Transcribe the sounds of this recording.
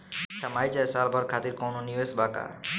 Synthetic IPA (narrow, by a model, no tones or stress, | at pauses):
t͡ɕʰamajd͡ʒajsalbʱɔɾkʰat̪iɾkownonioesbaka̰